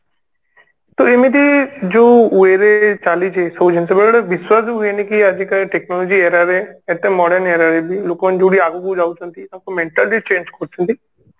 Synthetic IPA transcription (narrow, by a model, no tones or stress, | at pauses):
t̪oemĩd̪id͡ʒoːueɾet͡ʃaːlid͡ʒesəd͡ʒənsəbeɭɽeʋɪswaːsbiɦʊenikiad͡ʒikəʈeknɔːlod͡ʒieːɾaɾeet̪emɔːɽəɾneːɾaɾebiloːkmə̃nd͡ʒoɽiaːɡoɡud͡ʒaːut͡ʃãnt̪it̪ːkomẽɳʈəld͡ʒit͡ʃẽːnd͡ʒkʰoɾt͡ʃə̃nt̪i